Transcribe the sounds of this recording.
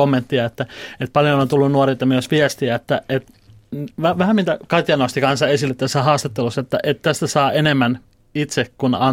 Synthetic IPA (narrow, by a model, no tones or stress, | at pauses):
omːent̪ːiɑet̪ːæet̪̚pɑljonont̪ulːunnuɑrit̪ɑmyøsʋiɛst̪iæet̪ːæet̪ | ʋæʋæhæmint̪ækɑt̪ʲjɑnost̪ikɑnsːɑesilːet̪t̪ːæsːæhɑːst̪ɑt̪ːelusːɑet̪ːæʔet̪t̪æst̪æsɑːenemːæn | it̪sekkunɑn